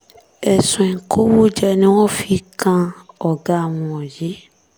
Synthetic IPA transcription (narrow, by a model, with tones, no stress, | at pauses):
ɛ˨sũ˨ɛ̃˨ŋ˨kʰo˦wo˦d͡ʒɛ˦nẽ˨˦wɔ̃˦fi˦kã˦ɔ˨ɡa˦˨wũ˨ɔ̃˨je˦